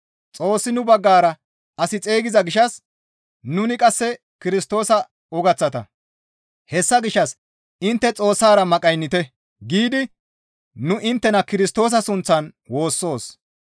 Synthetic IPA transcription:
t͡sʼo̞ːsːɪnʊbɐɡːaːɾɐ | ɐsɪt͡sʼe̞ːɡɪzɐɡɪʃɐs | nʊnɪkʼɐsːɛ | kɪɾɪst̪o̞ːsɐ | ɔɡɐt͡sːɐt̪ɐ̰ | hɛsːɐɡɪʃːɐs | ɪnt̪ːɛt͡sʼo̞ːsːaːɾɐmɐkʼɐjnːɪt̪ɛ | ɡiːd̪ɪ | nʊʔɪnt̪ːɛnɐkɪɾɪst̪o̞ːs̬ɐsʊnt͡sːɐnwo̞ːsːo̞ːs

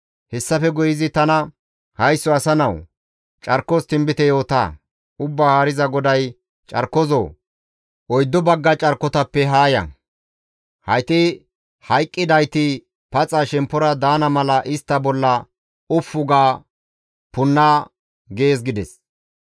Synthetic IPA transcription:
hɛsːɐfɛɡʊjɪzɪt̪ɐnɐ | hɐjsːɔɐsɐnɐw | t͡ʃʼɐɾkːɔst̪ɪmbɪt̪ɛjo̞ːt̪a̰ː | ʊbːaːhaːɾɪzɐɡɔd̪ɐj | t͡ʃʼɐ̰ɾkːɔzɔ̰ː | ʔɔjd̪ːɔbɐɡːɐt͡ʃʼɐɾkːɔt̪ɐpːɛɦaːjɐ̰ | hɐjt̪ɪ | hɐjkʼːɪd̪ɐjt̪ɪ | pɐt͡sʼaːʃɛmpːɔɾɐd̪aːnɐmɐlɐʔɪst̪ːɐbɔlːɐ | ʊfːʊɡaː | pʊnːaː | ɡe̞ːs̬ɡɪd̪ɛs

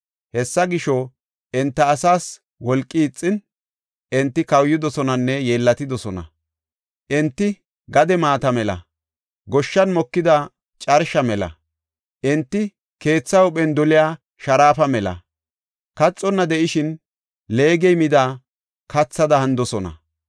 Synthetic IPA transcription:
hɛsːɐɡɪʃɔ | ɛnt̪ːɐːsaːs | wɔlkʼːiːt͡sʼːɪn | ʔɛnt̪ːɪkɐwjːɪd̪ɔsɔnɐnːɛjeːlːɐt̪ɪd̪ɔsɔnɐ̰ | ʔɛnt̪ːɪ | ɡɐd̪ɛmaːt̪ɐmɛlɐ̰ | ɡɔʃːɐnmɔkːɪd̪ɐ | t͡ʃʼɐɾʃɐmɛlɐ̰ | ʔɛnt̪ːɪ | ke̞ːt͡sːɐwʊɓɛnd̪ɔlɪjaː | ʃɐɾaːfɐmɛlɐ̰ | kɐt͡sʼːɔnːɐd̪ɛʔɪʃɪn | le̞ːɡɛjmɪd̪aː | kɐt͡sːɐd̪ɐhɐnd̪ɔsɔnɐ̰

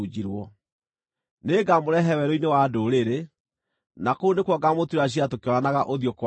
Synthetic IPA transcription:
ud͡ʑiɾwɔ | neːɡamoɾɛɦɛwɛɾoinewadoɾeɾe | nakounekwɔɡamotiɾaɕ̬iatokeɔɾanaɣaʔoðjɔkw

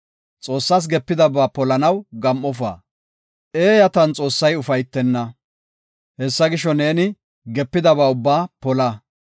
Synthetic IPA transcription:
t͡sʼo̞ːsːas̬ɡɛpːɪd̪ɐbaːpɔlɐnɐwɡɐmʔːɔfa̰ː | ʔe̞ːjɐt̪ɐnt͡sʼo̞ːsːɐjʊfɐjt̪ːɛnːɐ | hɛsːɐɡɪʃɔne̞ːnɪ | ɡɛpːɪd̪ɐbaːʊbːaːpɔlɐ

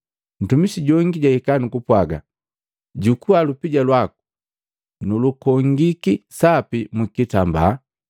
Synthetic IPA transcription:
n̩tumisiɟɔŋɡiɟaikanukupwaɡa̰ | ɟukualupiɟalwaku̥ | nulukɔŋɡikisapimikitamba

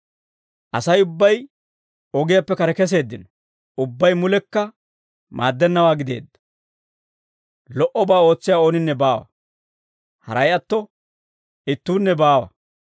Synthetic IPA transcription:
ʔɐsɐjʊbːɐj | ɔɡɪjapːɛkɐɾɛkɛs̬e̞ːd̪ːɪnɔ | ʊbːɐjmʊlɛkːɐ | ma̰ːd̪ːɛnːɐwaːɡɪd̪e̞̰ːd̪ːɐ̥ | lɔʔɔbaːo̞ːt͡sːɪjaːo̞ːnɪnːɛbaːwɐ̰ | hɐ̰ɾɐjɐt̪ːɔ | ɪt̪ːuːnːɛbaːwɐ̰

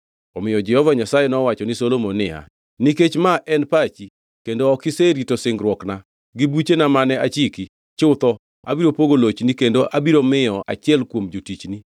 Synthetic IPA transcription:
ɔmɪjɔd͡ʒɛhɔvaɲasajɛnɔwat͡ʃɔnɪsolomonɪa̰ | niket͡ʃmaʔɛnpat͡ʃi | kendoɔkɪseɾitosɪŋɡɾwɔkna | ɡibut͡ʃenamanɛat͡ʃiki | t͡ʃʊt̪ɔ | a̰biɾopoɡolot͡ʃnikendoʔabiɾomɪjɔʔa̰t͡ʃɪɛlkwomd͡ʒotit͡ʃni

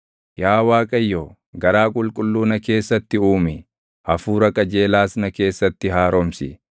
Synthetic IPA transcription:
jaːwaːkʼɐjːoː | ɡɐɾaːkʼʊlkʼʊlːuːnɐke̞ːsːɐt̪ːɪuːmɪ | ʔɐfuːɾɐkʼɐd͡ʒe̞ːlaːsnɐke̞ːsːɐt̪ːɪɦaːɾɔmsɪ

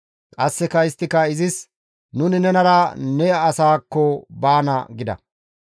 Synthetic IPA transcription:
kʼɐsːɛkɐɪst̪ːɪkɐɪzɪs | nʊnɪnɛnɐɾɐnɛːsaːkːɔbaːnɐ̰ɡɪd̪ɐ̰

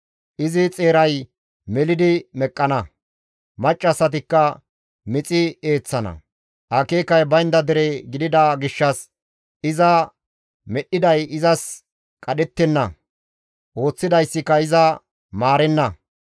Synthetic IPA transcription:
ʔɪzɪt͡sʼe̞ːɾɐj | mɛlɪd̪ɪmɛkʼːɐnɐ | mɐt͡ʃʼːɐsːɐt̪̬ɪkːɐ | mɪt͡sʼɪe̞ːt͡sːɐnɐ̰ | ʔɐke̞ːkɐjbɐjnd̪ɐd̪ɛɾeɡɪd̪ɪd̪ɐɡɪʃːɐs | ɪzɐ | mɛɗːɪd̪ɐjɪzɐs | kʼɐɗɛt̪ːɛnːɐ̰ | ʔo̞ːt͡sːɪd̪ɐjsːɪkːɐɪzɐ | maːɾɛnːɐ

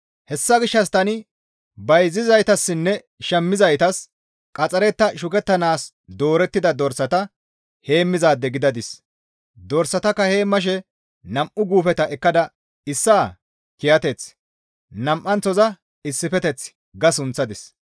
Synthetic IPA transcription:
hɛsːɐɡɪʃːɐs̬t̪ɐnɪ | bɐjzɪzɐjt̪ɐsːɪnːɛ | ʃɛmːɪzɐjt̪ɐs | kʼɐt͡sʼɐɾɛt̪ːɐʃʊkɛt̪ːɐnaːs | d̪o̞ːɾɛt̪ːɪd̪ɐd̪ɔɾsɐt̪ɐ | he̞ːmːɪzaːd̪ːɛɡɪd̪ɐd̪ɪs | d̪ɔɾsːɐt̪ɐkːɐhe̞ːmːɐʃ̬ɛ | nɐmʔʊɡuːfɛt̪ɐʔɛkːɐd̪ɐ | ɪsːaː | kɪjɐt̪ɛt͡s | nɐmʔːɐnt͡sɔzɐ | ɪsːɪfɛt̪ɛt͡s | ɡɐsʊnt͡sːɐd̪ɪs

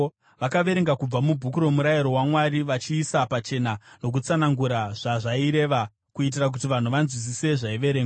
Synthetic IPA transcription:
ʋakaʋe̞ɾe̞ŋɡakub͡vamubʱukuɾo̞muɾajiɾo̞wamwaɾiʋat͡ʃiːsapat͡ʃe̞nano̞k̬ut͡sanaŋɡuɾaʐ̥aʐaiɾe̞ʋa | kuit̬irak̬utiʋan̤uʋanzwis̬ise̞ʐaiʋe̞ɾe̞ːŋɡa

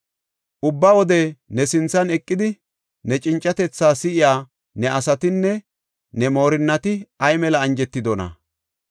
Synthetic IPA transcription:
ʔʊbːawɔd̪ɛnɛsɪnt͡sːɐnɛkʼːɪd̪ɪ | nɛt͡ʃʼɪnt͡ʃʼːɐt̪ɛt͡sːaːsɪʔɪjaː | nɛʔɐsɐt̪ɪnːɛ | nɛmo̞ːɾɪnːɐt̪ɪɐjmɛlɐːnd͡ʒɛt̪ːɪd̪ɔnɐ̰

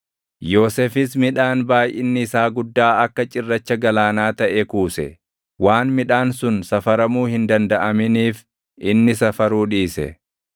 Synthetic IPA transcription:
jo̞ːseːfɪs̬mɪᶑaːnbaːjʔɪnːɪɪsaːɡʊd̪ːaːɐkːɐt͡ʃʼɪrːɐt͡ʃːɐɡɐlaːnaːt̪ɐʔekuːsɛ̰ | waːnmɪᶑaːnsʊnsɐfɐɾɐmuːhɪnd̪ɐnd̪ɐʔɐmɪniːf | ʔɪnːɪsɐfɐɾuːᶑiːsɛ̰

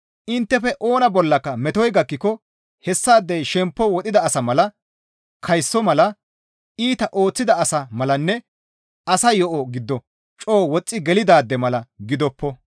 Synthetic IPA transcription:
ʔɪnt̪ːɛfɛʔo̞ːnɐbɔlːɐkːɐmɛt̪ɔjɡɐkːɪkɔ | hɛsːaːd̪ːɛjʃɛmpːɔwɔt̪ʼɪd̪ɐːsɐmɐlɐ | kʰɐjsːɔmɐlɐ | iːt̪ɐʔo̞ːt͡sːɪd̪ɐɐsɐmɐlɐnːɛ | ɐsɐjɔʔɔɡɪd̪ːɔ | t͡ʃʼo̞ːwɔt͡sʼːɪɡɛlɪd̪aːd̪ːɛmɐlɐɡɪd̪ɔpːɔ

